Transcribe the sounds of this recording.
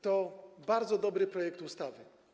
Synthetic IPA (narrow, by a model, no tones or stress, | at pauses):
t̪ɔbaɾd̪zɔd̪ɔbɾɘpɾɔjɛk̚t̪ust̪avɘ